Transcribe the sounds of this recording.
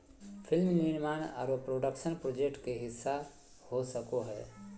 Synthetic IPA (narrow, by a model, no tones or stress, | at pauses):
pʰɪlmninmaːna̰ːɾopɾoːɖəkʃənpɾoːd͡ʒek̚ʈkeɦɪsːa | hosəkoɦɛ̰